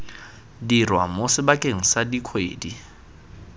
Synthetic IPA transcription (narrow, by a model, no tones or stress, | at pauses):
dirwa̰mosɪbakʼeŋ̩sadikʰwḛːdi